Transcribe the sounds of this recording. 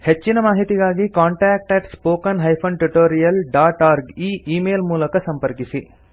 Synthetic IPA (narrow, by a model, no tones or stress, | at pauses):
het͡ʃːinɐmaːɦit̪iɡaːɡikaːɳʈaːk̚ʈɐʈspoːkɐnɦɐjpʰɐnʈuʈoːɾijɐlɖaːʈaːɾɡiːʔiːmeːlmuːlɐkɐsɐmpɐɾkisi